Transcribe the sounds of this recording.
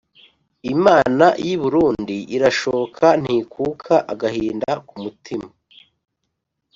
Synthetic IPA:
imaːnajiβuɾuːndiʔiɾaʃoβokʰan̥hiːkuːkʰaʔaɡahiːndakumutʰima

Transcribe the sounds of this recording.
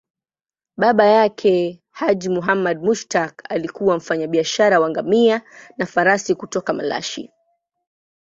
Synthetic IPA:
ɓaɓajakʰɛ | had͡ʒimuɦamaɗ̚muʃtaka̰likuwam̩faɲaɓiaʃaɾawaŋɡamianafaɾasikutɔkamala̰ʃḭ

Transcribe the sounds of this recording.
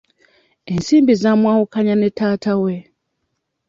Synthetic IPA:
ensiːmbizamwaːwukaɲane̞taːtawe

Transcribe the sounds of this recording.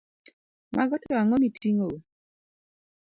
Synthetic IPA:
mʔaɡɔtɔaŋɔmitʰiŋo

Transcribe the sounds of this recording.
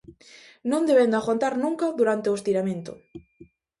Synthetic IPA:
nõnd̪eβend̪oaxwant̪aɾnũŋkaðuɾant̪eoest̪iɾamẽnt̪o̰

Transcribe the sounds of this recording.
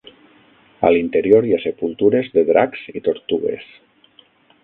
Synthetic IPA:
a̰lint̪eɾioɾjasepulˠt̪uɾezðeðɾaksit̪oɾt̪uɣḛs

